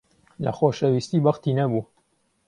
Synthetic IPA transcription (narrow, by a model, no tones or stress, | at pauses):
lɐ̰xoːʃɛwist̪iːbɐxt̪iːnɐbuː